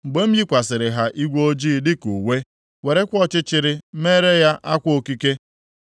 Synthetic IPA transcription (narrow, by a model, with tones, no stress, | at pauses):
m̩˨ɡ͡be˦m̩˦ji˦kʷa˨sɪ˨ɾɪ˨ɦa˨ʔi˦ɡʷo˦d͡ʒiː˦˨dɪ˦ku˨we˦ | we˨ɾe˦kʷɔ˦t͡ʃɪ˦t͡ʃɪ˨ɾɪ˦me˦ɾe˦ja˦ʔa˦kʷo˨ki˦ke˦